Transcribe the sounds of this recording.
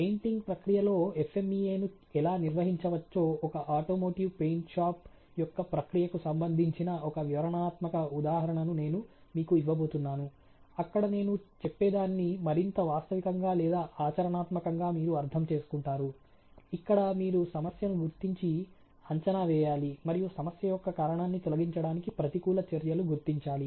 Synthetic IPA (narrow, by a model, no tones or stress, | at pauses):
pejɳʈiŋɡpɾɐkɾijɐlo̞ːefe̞miːeːnu | ɛlaːniɾʋɐɦiɲt͡ʃɐʋɐt͡ʃːo̞ːɔkɐʔaːʈo̞ːmo̞ːʈiʋpe̞jɳʈʃaːp | jɔkːɐpɾɐkɾijɐkusɐmbɐnd̪ʱiɲt͡ʃinɐʔɔkɐʋjiʋɐɾɐnaːt̪mɐkɐud̪aːɦɐɾɐɳɐnune̞ːnumiːkuiʋːɐbo̞ːt̪unːaːnu | ɐkːɐɽɐne̞ːnut͡ʃepːɛːd̪aːnːimɐɾint̪ɐʋaːst̪ɐʋikɐŋɡaːlɛːd̪aːʔaːt͡ʃɐɾɐɳaːt̪mɐkɐŋɡaːmiːɾuɐɾt̪ʰɐmt͡ʃe̞ːsu̥kuɳʈaːɾu | ikːɐɽɐmiːɾusɐmɐsjɐnuɡuɾt̪iɲt͡ʃi | ɐɲt͡ʃɐnaːʋɛːjaːlimɐɾijusɐmɐsjɐjɔkːɐkaːɾɐɳaːnːit̪ɔlɐɡiɲt͡ʃɐɽaːnikipɾɐt̪ikuːlɐt͡ʃɐɾjɐluɡuɾt̪iɲt͡ʃaːli